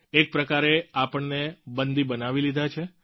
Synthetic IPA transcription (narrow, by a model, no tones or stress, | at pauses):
ek̚pɾəkaɾeapəɳnebənd̪ibənaʋilid̪ʱat͡ʃʰe